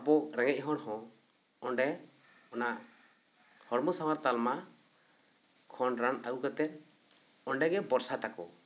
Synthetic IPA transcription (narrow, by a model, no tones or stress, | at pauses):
abɔɾɛŋɛc̚ˀɦɔɽhɔ̃ | ɔɳɖɛ | ɔnaʔ | hɔɾmɔsawaɾt̪alma | kʰɔnɾanaɡukat̪ɛt̪̚ | ɔɳɖɛɡɛbɔɾsat̪akɔ